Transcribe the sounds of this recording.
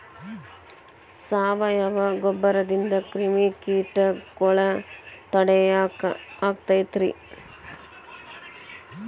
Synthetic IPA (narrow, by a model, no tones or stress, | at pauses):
saːʋɐjɐʋɐɡɔbːɐɾɐd̪ind̪ɐkɾimikiːʈɐkɔɭɐt̪ɐɽɛj | aːk̚t̪ɐjt̪ɾi